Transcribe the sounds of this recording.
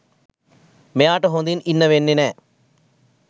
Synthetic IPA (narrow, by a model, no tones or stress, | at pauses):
meaːʈːɐɦoːnd̪ininːɐʋenːine